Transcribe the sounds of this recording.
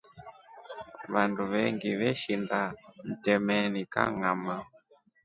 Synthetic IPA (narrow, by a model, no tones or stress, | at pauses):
βanduβɛŋɡiβɛʃindan̩tɛmɛnika̰ŋama